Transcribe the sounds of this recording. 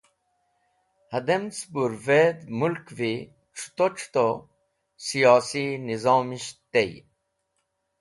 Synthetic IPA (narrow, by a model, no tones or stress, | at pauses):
hɐd̪emt͡sbuɾveːd̪mulkvi | ʈ͡ʂʰu̥t̪oʈ͡ʂʰu̥t̪o | sijɑːsinizɑːmiɕt̪ej